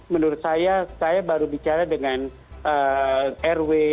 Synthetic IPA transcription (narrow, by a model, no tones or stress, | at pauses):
mənuɾʊt̪̚sajasajabaɾubit͡ʃaɾadəŋan | ʔəɛrwe